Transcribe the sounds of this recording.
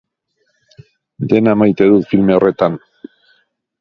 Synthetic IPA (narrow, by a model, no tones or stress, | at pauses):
d̪e̞namajt̪e̞ðut̪filme̞o̞re̞t̪an